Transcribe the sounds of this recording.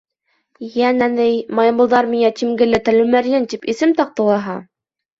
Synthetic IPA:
jænænɘjmɑjɤ̆mbɤ̆lˠðɑɾmiŋæt̪imɡɘ̆lɘt̪ælʉmæɾjɘnt̪ipisɘmt̪ɑq̚t̪ɤ̆lˠɑɦɑ

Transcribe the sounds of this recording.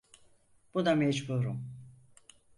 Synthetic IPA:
b̥ud̪amɛd͡ʒbuɾum

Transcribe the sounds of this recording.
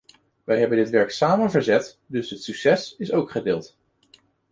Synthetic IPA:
ʋɛjɦɛbəndɪtʋɛɹksaːmənvəɹzɛt | dɵsətsɵksɛsɪsowkχədɪːlˠt

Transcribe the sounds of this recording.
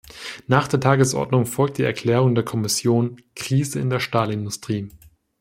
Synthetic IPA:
naːχd̥eːɐtʰaːɡəsʔɔ̰ɐdnʊŋfɔlk̚td̥iːʔɛɐkʰl̥ɛːʁ̞ʊŋdeːɐkʰɔmɪsjoːnkʁ̥iːzəɪ̰ndeːɐʃtaːlɪndʊstʁ̥iː

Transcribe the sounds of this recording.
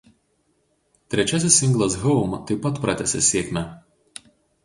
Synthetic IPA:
t̪ʲɾʲɛt͡ʃʲæs̬ʲɪsɪŋɡlˠɐsɣɔʊmt̪ɐɪpːɐt̪pɾɑt̪ʲɛsʲɛ̰sʲiɛːkʲmʲæ

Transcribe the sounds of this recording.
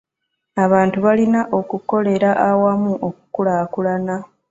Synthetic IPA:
aβaːntuβalinaʔo̞kuko̞le̞ɾaʔawamuʔo̞kukulakulana

